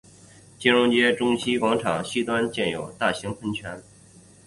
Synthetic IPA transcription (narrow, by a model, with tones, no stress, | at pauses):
t͡ɕi˥ɻʊ˥˧ŋt͡ɕjɛ˥ʈ͡ʂʊ˥ŋɕi˥kwɑ˧˥ŋʈ͡ʂʰɑ˨˩ŋɕi˥t̪wa˥nt͡ɕjɛ˥˩njo˨˩ʊt̪a˥˩ɕi˧˥ŋpʰə˥nt͡ɕʰɥɛ˧˥n